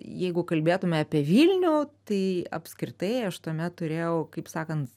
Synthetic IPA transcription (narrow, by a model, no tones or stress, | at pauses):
jɛɪɡʊkɐlʲbʲeːt̪ʊmʲɛɑːpʲiɛʋʲiːlʲnʲuːt̪ɐɪɐ̰pʲskɾʲɪt̪ɐɪɐʃt̪uɔmʲɛt̪tʊɾʲeːjɛʊkɐɪpsɑːkɐnt̪